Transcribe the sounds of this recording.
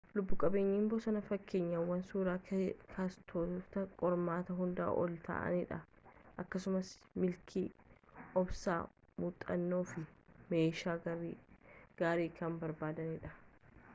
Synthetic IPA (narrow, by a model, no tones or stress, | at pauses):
lʊbːʊkʼɐbeːɲːiːmbɔsɐnɐfɐkːeːɲːɐwːɐnsuːɾaːkʰaːst̪ʰoːlt̪ɐkʼɔɾmaːt̪ɐɦʊnd̪a̰ːʔɔ̰lt̪a̰ːʔɐ̰nɪᶑɐ | ʔɐkːɐsʊmɐsmɪlkʰiːɔbsa̰ːmuːt̪ʼːɐnːo̞ːfɪmeːʃaː | ɡ̥aːɾiːkɐmbɐɾbaːd̪ɐnɪᶑɐ